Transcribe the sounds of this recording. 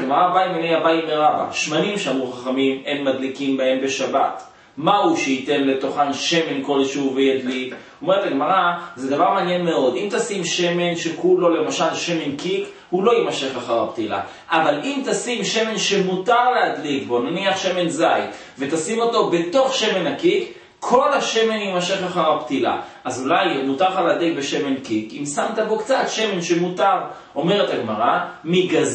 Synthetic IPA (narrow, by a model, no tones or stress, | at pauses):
aɡmaʁabaimenejabaimeʁaba̰ʃmanimʃeamʁuχaχamime̞nmadlikimbae̞mbe̞ʃaba̰t | mahuʃeite̞nle̞to̞χanʃe̞me̞nko̞lʃeuvejadlik | oome̞ʁetaɡmaʁazedavaʁmaːnjenmeo̞d̪imt̪asimʃe̞me̞nʃekulo̞le̞maʃalʃe̞me̞nkik | hulo̞jimaʃe̞χlaχaʁaptila̰ | ʔavalimt̪asimʃe̞me̞nʃemutaʁlehad̪likbo̞naniaχʃe̞me̞nzaj | ve̞t̪asimo̞to̞be̞to̞χʃe̞me̞nhakik | kʰːo̞laʃe̞me̞njemaʃe̞χaχaʁapt̪ila̰ʔazulajmutaʁχalead̪likbe̞ʃe̞me̞nkikimsamt̪abo̞kt͡satʃe̞me̞nʃemutaʁ | ʔo̞me̞ʁet̪aɡmaʁamiɡaz